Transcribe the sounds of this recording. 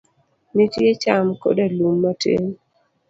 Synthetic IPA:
nitjet͡ʃamko̰dalumːatʰḛŋ

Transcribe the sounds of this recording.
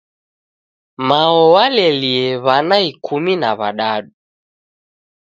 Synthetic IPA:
maɔwalɛliɛβanaikʰuminaβa̰ɗaɗu

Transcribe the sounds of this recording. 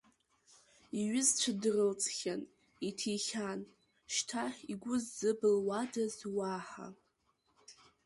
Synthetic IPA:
iɥɪzt͡ɕʷʰadrɨlt͡sʼχʲan | itʰiχʲan | ʃtʰaħiɡʷʊzːɨbɨlwadazwaħa̰

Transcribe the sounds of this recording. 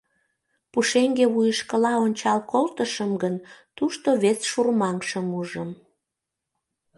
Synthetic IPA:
puʃeŋɡeβujəʃkəlɑonʲt͡ɕɑlkolt̪əʃəmɡənt̪uʃt̪oβesʃurmɑŋʃəmuʒəm

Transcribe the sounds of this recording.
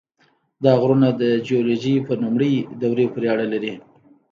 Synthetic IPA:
d̪ɑɣɾunad̪əd͡ʒioloʒipənumɽəjd̪awɾepəɾeaɽalaɾi

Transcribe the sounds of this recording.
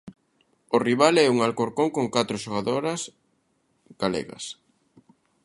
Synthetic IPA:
ʊriβalɛuŋalkoɾkoŋkoŋkat̪ɾʊʃoɣaðoɾɐs | ɡ̥alɛ̰ɣɐ̰s

